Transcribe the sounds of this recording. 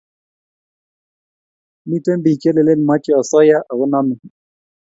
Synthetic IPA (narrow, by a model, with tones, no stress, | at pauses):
mi˦te˦mbi˨t͡ʃe˦le˨le˦n˨ma˦t͡ʃɛ˦ɔ˨sɔ˦ja˦ʔa˨ʊ˦na˦mɪ˨